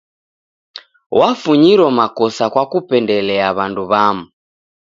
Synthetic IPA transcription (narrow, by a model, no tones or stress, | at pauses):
wafuɲiɾɔmakɔsakwakupɛndɛlɛaβanduβamu